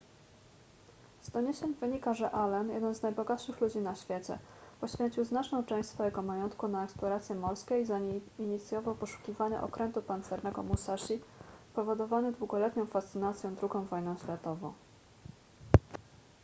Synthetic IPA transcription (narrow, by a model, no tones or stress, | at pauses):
zd̪ɔɲeɕeɲvɘɲikaʐɛʔalɛnjɛ̰d̪ɛnznajbɔɡat̪ʂɘxlud͡ʑinaɕfʲjet͡ɕɛ̰pɔɕfʲjeɲt͡ɕiwznat͡ʂnɔ̃w̃t͡ʂɛ̃w̃ɕsfɔjɛɡɔmajɔnt̪kunaɛksplɔɾat̪sʲjɛmɔlskʲeizaiɲit̪sʲjɔvawpɔʂu̥kʲivaɲa̰ʔɔ̰kɾʔɛnt̪upant̪sɛɾnɛɡɔ̰musaʂipɔvɔd̪ɔvanɘd̪wuɡɔlɛt̪ɲɔ̃w̃fast̪sɘnat̪sʲjɔ̃w̃d̪ɾuɡɔ̃w̃vɔjnɔ̃w̃ɕlʲɛt̪ɔvɔ̰̃w̃